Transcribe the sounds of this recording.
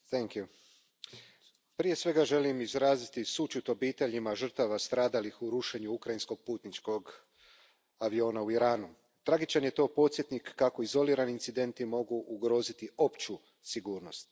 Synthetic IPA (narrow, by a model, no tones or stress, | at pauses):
θɛŋkju | pɾije̞sʋe̞ɡaʒe̞limizɾaːzit̪isut͡ʃut̪o̞biːt̪e̞ʎimaʒər̩t̪aʋast̪ɾaːd̪alixuɾuʃe̞ɲuukɾajinsko̞ɡ̚puːt̪nit͡ʃko̞ɡ | aʋio̞ːnauiɾaːnu | t̪ɾaɡit͡ʃanje̞t̪o̞ːpo̞t̪sje̞t̪nikːako̞izo̞liːɾaniint̪sid̪e̞nt̪imo̞ɡuʔuɡɾo̞ːzit̪io̞pt͡ʃu | siɡuːɾno̞st̪